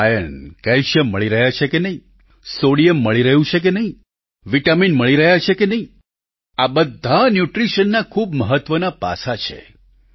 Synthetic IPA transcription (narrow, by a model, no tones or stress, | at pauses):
ajənkɛlʃjəmːəɭiɾəɦjat͡ʃʰekenəɦĩ | soɽiəmːəɭiɾəɦjũt͡ʃʰek̬enəɦĩ | ʋiʈaminməɭiɾəɦjat͡ʃʰekenəɦĩ | abəd̪ʱːanjuʈɾiʃənːakʰubməɦət̪ʋənapa̰sat͡ʃʰḛ